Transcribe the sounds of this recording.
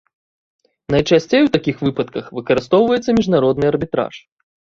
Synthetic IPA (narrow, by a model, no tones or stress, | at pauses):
nɐjt͡ʂasʲt͡sʲejwt̪akʲixvɨpɐt̪̚kɐxvɨkɐɾɨst̪ɔwvɐjɛt̪sːɐmʲiʐnaɾɔd̪nɨɐrbʲit̪ɾa̰ʂ